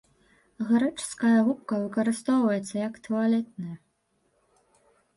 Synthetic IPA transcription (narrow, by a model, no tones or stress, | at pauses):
ʁɐɾɨʈ͡ʂskɐjɐɣup̚kɐvɨkɐɾɨst̪owvɐjɛt̪sːɐjakt̪ʰualʲɛt̪̚nɨj